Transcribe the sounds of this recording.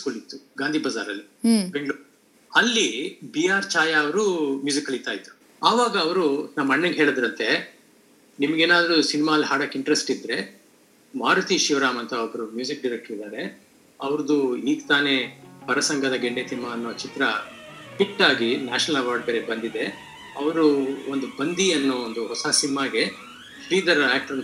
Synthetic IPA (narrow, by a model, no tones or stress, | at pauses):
skulit̪ːuɡaːnd̪ʱibɐzaːɾɐlːi | beŋɡɭuːɾ | ɐlːibijaːɾt͡ʃaːjaɐʋɐɾumjuːzikːɐlit̪ːaːjt̪ːu̥ | aːʋaːɡɐːʋɐɾunɐmːɐɳːɐŋɡɦeːɭɐd̪ɾɐnt̪e̞ | nimɐɡeːnaːd̪ɐɾusinimaːlɦaːɽɐkːiɳʈɾesʈid̪ɾe̞ | maːɾɐt̪iʃiʋɾaːmɐnt̪ɐɔbɐɾumjuːzikɖiɾek̚ʈɐɾid̪aːɾe̞ | ɐʋɐɾd̪uiːɡt̪aːne̞pɐɾɐsɐŋɡɐd̪ɐɡeɳɖeːsinmaːnːɔːɐt͡ʃit̪ɾɐpiʈːaːɡinaːʃɐnɐlɐʋaːɾɖ̚beːɾebɐnd̪id̪e̞ | ɐʋɐɾuond̪ubɐnd̪iɐnːoːond̪uhɔsɐsinimaːɡe̞ | ʃɾiːd̪ɐɾaːk̚ʈɐɾ